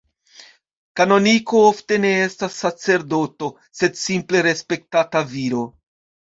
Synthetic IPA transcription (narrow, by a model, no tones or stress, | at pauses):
kano̞niko̞ofte̞ne̞e̞stasːat͡se̞ɾdo̞to̞ | se̞dsimple̞ɾe̞spe̞k̚tataviɾo̞